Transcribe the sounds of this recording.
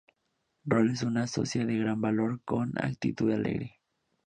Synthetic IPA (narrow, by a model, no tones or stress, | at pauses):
roles̬unaso̰sjaðeɣɾambaloɾkona̰k̚t̪ḭt̪uðealḛɣɾi